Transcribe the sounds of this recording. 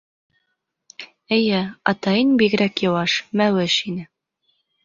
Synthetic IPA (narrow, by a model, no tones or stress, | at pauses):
ɘ̆jɘɑt̪ɑjɤnbiɣɘ̆ɾækjɤ̆wɑʃmæwɘʃinɘ